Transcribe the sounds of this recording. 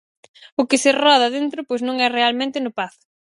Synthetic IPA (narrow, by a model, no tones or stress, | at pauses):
ʊkɪsɪrɔð̞ɐðent̪ɾʊpojsnõŋɛrealmẽnt̪ɪnʊpaθ